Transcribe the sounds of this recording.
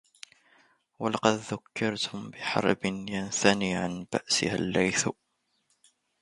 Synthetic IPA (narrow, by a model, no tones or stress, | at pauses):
walɑqɑd̪ðakʰːɑɾˤt̪ʰʊmbɪħɑ̰ɾˤbɪnjansaniːʕanba̰ʔsɪ̰ha̰lːajθ